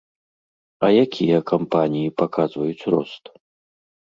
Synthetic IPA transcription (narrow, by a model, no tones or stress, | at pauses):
ɐjakʲijɐkʰampanʲijipakʰazvɐjut͡sʲrɔ̰st̪